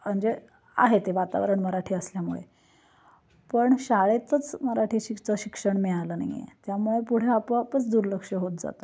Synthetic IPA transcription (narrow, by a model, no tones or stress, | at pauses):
əɳd͡ze | a̰ɦet̪eʋat̪a̰ʋɾəɳməɾaʈʰiːəsljamuɭḛ | pəɳɕaɭet̪ət͡sməɾaʈʰiːɕit͡səɕikʂəɳmiɭaləːna̰ḭjḛt̪jamuɭepuɽ̤eapəapət͡sd̪uɾləkʂəɦot̪̚d͡za̰t̪ə